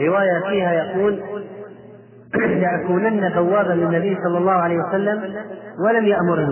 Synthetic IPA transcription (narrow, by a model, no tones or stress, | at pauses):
ɪwaːjafiːhajaquːl | laʔakuːnanːad̪awːaːbalɪnːabɪjːsˤɑlːɑlˤːɑːhʕaleːjwasalːamwalamjaʔmʊɾhɪ